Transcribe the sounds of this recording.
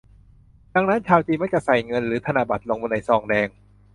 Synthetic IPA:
da˧ŋna˦˥nt͡ɕʰaː˧wt͡ɕiː˧ma˦˥k̚t͡ɕa˧˩sa˨˩jŋɤ˧nɾɯː˩˦t̪ʰa˧naː˧˩ba˨˩t̪̚loː˧ŋbo˧nːa˧˩jsɔː˧˩ŋdɛː˧ŋ

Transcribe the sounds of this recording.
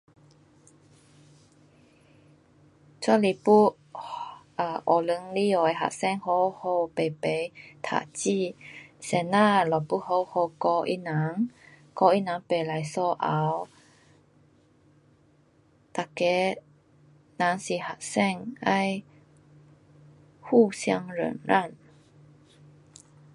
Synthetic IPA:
t͡sɔ˧˦li˧˨pu˥ | a˧˩ʔɔ˨˩lə˧˦ŋli˦˥ɔ˨˩˧ɦa̰˨ʔsɛ˥˧˨ŋho˧ho˧pe˨˩˨pe˨˧˦jt̪ʰa̰˧˨ʔt͡ɕi˥˨sɛ˨na˥˨lɔ˨˩pu˥˨ho˧who˧kɔ˧ʔḭ˦˥nã˨˦ŋ | kɔ˧i˦˥na˨˦ŋpe˨˩la˨˦jsɔ˧ʔa˨˦w | t̪a˨kɛ˨˦ | nã˨˦ŋsi˨˩ha˨ʔsɛ˥˧ŋa˧j | hu˥˩sja̰˧ŋɾə̰˨˩nɾʔa˥˨n

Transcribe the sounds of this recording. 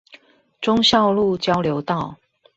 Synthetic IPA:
ʈ͡ʂʊ˥˦ŋɕjɑ˥˧ʊlu˥˨t͡ɕjɑ˥ʊljo˧˦ʊt̪ɑ˥˨ʊ

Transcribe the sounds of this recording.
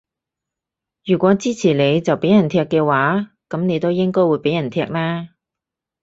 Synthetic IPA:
jyː˨˩kʷɔː˨˥t͡siː˥t͡sʰiː˨˩le˨˧jt͡sɐ˨wpe˨˥jɐ˨˩nt̪ʰɛː˧kːɛː˧waː˨˥ | kɐ˨˥mne˨˧jt̪o˥wjɪ˥ŋkɔː˥jwuː˨˧jpe˨˥jɐ˨˩nt̪ʰɛː˧k̚laː˥

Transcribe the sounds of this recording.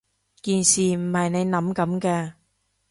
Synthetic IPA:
kiː˨nsiː˨˩m̩˨˩hɐ˨jne˨˧jnɐ˨˥mkɐ˨˥mkɛː˧

